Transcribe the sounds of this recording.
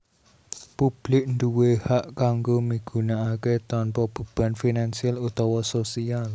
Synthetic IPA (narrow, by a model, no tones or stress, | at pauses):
pub̥lɪk̚nd̪uwehaʔkaŋɡomiɡ̥ṳnaːket̪ɔnpɔb̥ṳb̥a̤nfinansialut̪ɔwɔsosial